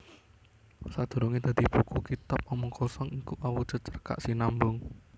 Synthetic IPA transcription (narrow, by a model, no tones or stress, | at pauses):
sad̪̥o̤ɾoŋed̪̥a̤d̪̥ib̥ukukit̪ap̚mɔmʊŋkɔsɔŋikuʔawu̥ʒ̥ə̤t͡ʃərka̰ʔsinambʊŋ